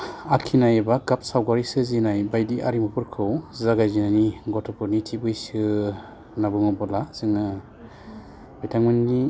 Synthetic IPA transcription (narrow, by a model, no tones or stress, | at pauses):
akʰinajebaɡap̚sawɡaɾisɯzinajbajdiʔaɾimɔpʰɯɾkʰɯwzaɡajzinaniɡɔtʰɔpʰuɾnitʰibɯjsɯ | nabɯŋɔbɔlaz̥ɯŋɯ | bajtʰaŋmɯnni